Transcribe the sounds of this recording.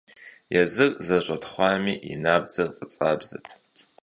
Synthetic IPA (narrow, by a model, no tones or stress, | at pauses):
jɛzɨrzɐʑʷʼɐtχʷɑːmiːḭnaːb̚d͡zɐrqʼət͡sʼaːbzɨ̰tʰ